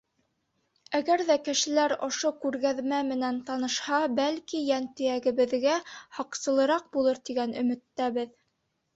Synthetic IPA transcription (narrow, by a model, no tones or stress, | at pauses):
æɡæɾðækɘ̆ʃɘ̆læɾŏʃokʉɾɣæðmæmɘ̆nænt̪ɑnɤ̆ʃhɑbælkijænt̪ɘ̆jæɡɘ̆βɘ̆ðɡæhɑqsɤ̆lˠɤ̆ɾɑq̚bulˠɤɾt̪iɡænɵ̆mɘ̆t̪ːæβɘð